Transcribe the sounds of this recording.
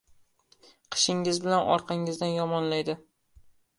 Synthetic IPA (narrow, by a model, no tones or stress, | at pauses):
qʰɨ̥ʃɪŋɪzbɪlanɒ̰ɾqʰɑŋɪzd̪anjɒmɒnlajd̪ɪ